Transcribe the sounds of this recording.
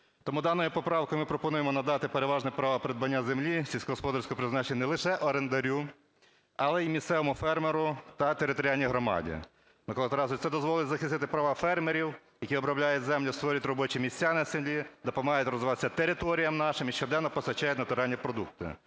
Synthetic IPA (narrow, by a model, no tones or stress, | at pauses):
t̪ɔmud̪ɑnɔjʊpɔpɾɑwkɔjɪmɪpɾɔpɔnujemɔnɐd̪ɑt̪ɪpeɾeʋɑʒnɛpɾɑʋɐpɾed̪̚bɐnʲːazemlʲisʲilʲsʲkɔɦɔspɔd̪ɐɾsʲkɔpɾɪznɑt͡ʃenʲnɛlˠɪʃɛʔɔɾend̪ɐɾʲu | ɐlˠɛimʲissɛʋɔmʊfɛrmeɾʊt̪ɐt̪eɾɪt̪ɔɾʲɪjalʲnʲijɦɾɔmɑ̰dʲḭ | mɪklˠt̪ɾɑzʊt̪sɛd̪ɔzʋɔlˠɪtʲzɐxɪst̪ɪt̪ɪpɾɐʋɑfɛrmeɾʲiw | jɐkʲiɔbɾɐblʲajʊtʲzɛmlʲʊst̪ʋɔɾʲɐt̪ʲrɔbɔt͡ʃimʲisʲt͡sʲːanɪsemlʲid̪ɔpɐmɐɦɑjʊtʲrɔzʋɪʋɑt̪e̥sʲːɐt̪eɾɪt̪ɔɾʲijɐmnɑʃɪmiʃt͡ʃɔd̪ɛnːɔpɔsɐt͡ʃːajɛtʲnɐt̪ʊɾɑnʲːipɾɔd̪uk̚t̪ɪ̰